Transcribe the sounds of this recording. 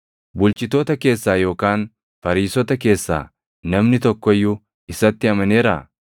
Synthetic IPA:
bʊlt͡ʃɪt̪oːt̪ɐke̞ːsːaːjo̞ːkaːn | fɐɾiːsɔt̪ɐke̞ːsːa̰ː | nɐmnɪt̪ɔkːɔjːʊ | ɪsɐt̪ːɪɐmɐne̞ːɾɐ

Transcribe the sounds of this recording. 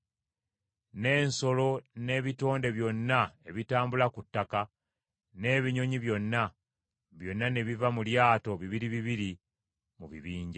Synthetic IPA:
ne̞ːnso̞lo̞ne̞ːβito̞ːnde̞βjo̞nːae̞βitaːmbulakutːaka | ne̞βiɲo̞ɲiβjo̞nːa | βjo̞nːane̞βivamuljaːto̞βiβiɾiβiβiɾi | muβḭβiːɲɟa

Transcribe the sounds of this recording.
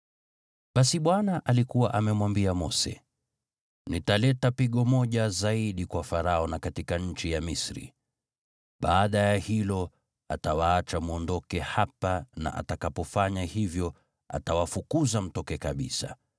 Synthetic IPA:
ɓasiɓwanaʔalikuwaʔamɛmwambiamɔsɛ̰ | nitalɛtapiɠɔmɔʄazaiɗikwafaɾaɔnakatikaɲ̩t͡ʃijamisɾḭ | ɓaːɗajahilɔ | atawaat͡ʃamuɔndɔkɛhapana̰ʔa̰takapɔfaɲahivjɔ | a̰tawafukuzam̩tɔkɛkaɓḭsa

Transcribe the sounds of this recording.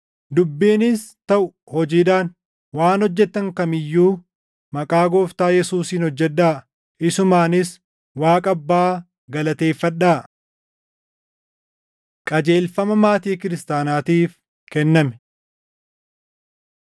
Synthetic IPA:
d̪ʊbːiːnɪst̪ɐʔʊ | hɔd͡ʒiːᶑ̪aːn | waːnɔd͡ʒːɛt̪ːɐŋkɐmɪjːuː | mɐkʼaːɡoːft̪aːjɛsuːsiːnhɔd͡ʒːɛᶑːaː | ʔɪsʊmaːnɪs | waːkʼɐbːaː | ɡɐlɐt̪e̞ːfːɐᶑaː | kʼɐd͡ʒe̞ːlfɐmɐmaːt̪iːkɪɾɪst̪aːnaːt̪iːf | kɛnːɐmɛ̥

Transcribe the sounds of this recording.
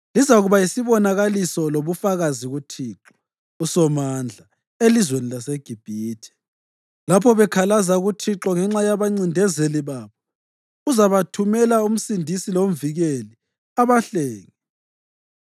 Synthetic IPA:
lizaɣuβaisiβɔnaɣalisɔloβufaɣaziɣutʰiːǁɔ̥ | usɔmand͡ɮʱa | elizwenilaseɡ̥ʱib̥ʱiːtʰɛ̥ | lapʰɔβɛkʰalazaɣutʰiǁɔŋɛŋ͡ǁajaβaŋ͡ǀindʱɛzeliβaːβɔ | uzaβatʰumɛlaum̩sindʱisilom̩viɣeli | aβaɬɛːŋɛ

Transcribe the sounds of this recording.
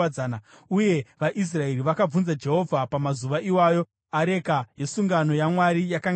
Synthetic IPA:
aːna | uje̞ʋaʔis̬rae̞ɾiʋakab͡vunzad͡ʒe̞ɦo̞vʱapamazuʋaʔiwaːjo̞ | aɾe̞kaje̞suŋɡano̞jamwaɾijakaŋ

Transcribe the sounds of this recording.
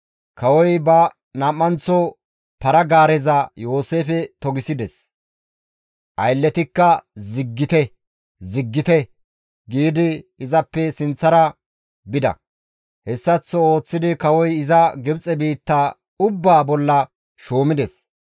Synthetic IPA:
kɐwɔjbɐ | nɐmːɐnt͡sɔ | pɐɾɐɡaːɾɛzɐjo̞ːse̞ːfɛt̪ɔɡɪsɪd̪ɛs | ʔɐjlːɛt̪ɪkːɐzɪɡːɪt̪ɛ | zɪɡːɪt̪ɛ | ɡiːd̪ɪːzɐpːɛsɪnt͡sːɐɾɐ | bɪd̪ɐ̰ | hɛsːɐt͡sːɔo̞ːt͡sːɪd̪ɪkɐwɔjɪzɐɡɪbt͡sʼɛbiːt̪ːaː | ʊbːaːbɔlːɐ | ʃoːmɪd̪ɛs

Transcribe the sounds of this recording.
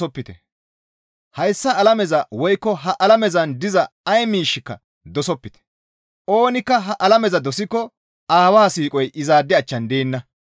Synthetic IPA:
ɔpːɪt̪ɛ̰ | hɐjsːɐːlɐmɛzɐwɔjkːɔɦɐʔɐlɐmɛzɐnd̪ɪzɐ | ɐjmiːʃːɪkːɐ̰ | d̪ɔsɔpːɪt̪ɛ̥ | ʔoːnɪkːɐɦɐʔɐlɐmɛzɐd̪ɔsɪkːɔ | aːwaːsiːkʼɔjʔɪzaːd̪ːɪɐt͡ʃːɐnd̪e̞ːnːɐ

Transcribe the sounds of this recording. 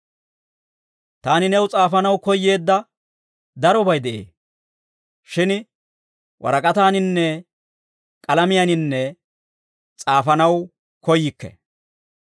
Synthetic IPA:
t̪aːnɪnɛwʊt͡sʼaːfɐnɐwkɔjːe̞ːd̪ːɐ | d̪ɐɾɔbɐjd̪ɛʔḛː | ʃɪn | wʔɐ̰ɾɐkʼɐt̪aːnɪnːɛ | kʼɐlɐmɪjɐnɪnːɛ | t͡sʼaːfɐnɐw | kɔjːɪkːɛ̰

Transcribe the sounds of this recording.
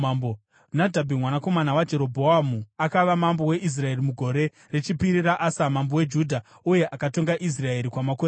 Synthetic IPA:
mbo | nadʱabʱimwanako̞manawad͡ʒe̞ɾo̞bʱo̞amuakaʋamambo̞we̞ʔis̬rae̞rimuɡʱo̞ɾe̞ | ret͡ʃipiɾiraʔasamambo̞we̞d͡ʒudʱa | uje̞ʔakato̞ŋɡaʔis̬rae̞ɾikwamakoɾe

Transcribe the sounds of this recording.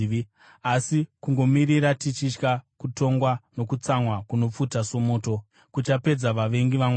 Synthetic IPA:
asikuŋɡo̞miɾiɾatit͡ʃit͡ʃkakuto̞ŋɡwano̞kut͡samwakuno̞p͡futasomoːto̞ | kut͡ʃape̞d͡zaʋaʋe̞ŋɡiʋam

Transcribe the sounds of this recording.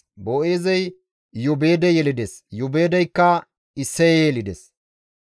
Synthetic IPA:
boʔeːzɐj | jʊbe̞ːd̪ɛjɛlɪd̪ɛsjʊbe̞ːd̪ɐjkːɐ | ɪsːɛjejɛlɪd̪ɛs

